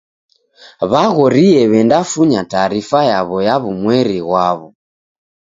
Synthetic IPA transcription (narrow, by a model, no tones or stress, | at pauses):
βaɣɔɾiɛβɛndafuɲataɾifajaβɔjaβumwɛɾiɣwaβɔ